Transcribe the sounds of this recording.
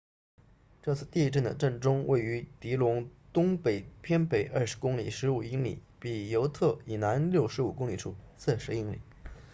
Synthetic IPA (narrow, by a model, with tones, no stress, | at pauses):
ʈ͡ʂɤ˥˧t͡sʰɹ̩˥˧t̪i˥˧ʈ͡ʂə˥˩nd̪ə̰˩ʈ͡ʂə˥˩nʈ͡ʂʊ˥ŋwḛ˥˩ɪy˧˥t̪i˧˥lʊ˧˥ŋt̪ʊ˥ŋpe˨˩ɪpʰjɛ˥npe˨˩ɪʔɐ˞˥˩ʂ̩˧˥kʊ˥ŋli˨˩ʂɻ̩˧˥u˨˩i˥ŋlḭ˨˩˦ | pi˨˩jo˧˥ʊt̪ʰɤ˥˩i˨˩na˧˥nljo˥˩ʊʂɻ̩˧˥u˨˩kʊ˥ŋli˨˩ʈ͡ʂʰu˥˩ | t͡s̩ʰ˥˩ʂɻ̩˧˥i˧˥ŋlḭ˨˩˦